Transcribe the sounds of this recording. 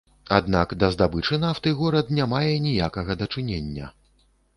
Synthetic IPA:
a̰d̪nakd̪ɐzd̪abɨt͡ʂɨnaft̪ɨɣɔɾɐd̪nʲamajɛnʲijakɐɣɐd̪ɐt͡ʂɨnʲenʲːɐ̰

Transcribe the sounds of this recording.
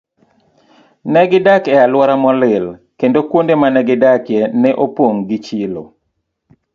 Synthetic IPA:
nɛɡɪdakɛalwɔɾamɔlɪlkendokwondemanɛɡɪdakjɛnɛʔopwoŋɡɪt͡ʃilo̰

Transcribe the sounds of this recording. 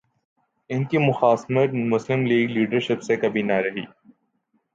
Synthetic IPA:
ɪnkimʊxaːsmət̪mʊslɪmliːɡliːɖəɾʃɪpsekɐbʱinɐɾɐɦḭː

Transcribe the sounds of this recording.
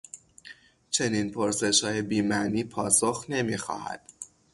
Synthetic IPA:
t͡ʃʰe̞niːnpʰoɾse̞ʃhɒːje̞biːmæʔniːpʰɒːsoxne̞miːxɒ̰ːhæ̰d̪̥

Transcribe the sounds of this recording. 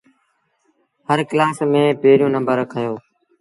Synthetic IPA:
həɾklaːsmẽːpeːɾjũːnə̃mbəɾkʰəjoː

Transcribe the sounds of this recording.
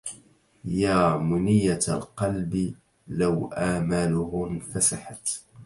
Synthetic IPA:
jaːmʊnɪjːa̰lqɑlbɪ | lawʔaːmalʊhʊnfasaħat̪

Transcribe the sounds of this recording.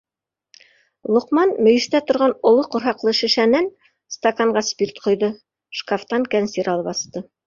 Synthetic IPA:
lˠŏqmɑnmɵ̆jɘ̆ʃt̪æt̪ŏɾʁɑnŏlˠoqŏɾɦɑqlˠɤʃɘ̆ʃænæn | st̪ɐkaɴɢɑspirt̪qʰŏjðɤ | ʃkaft̪ɑŋkænsiɾɑlˠɤβɑst̪ɤ

